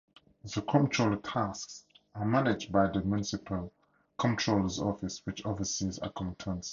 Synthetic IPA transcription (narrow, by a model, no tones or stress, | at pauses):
ðəkʰɔ̃mtʰɹoltʰasks | amanɪd͡ʒbaɪðəmjunɪsɪpʰəl | kʰɔ̃ntʰɹoləzɔ̰fɪswɪt͡ʃɔfɪsiza̰kʰɔ̃ntʰə̃ns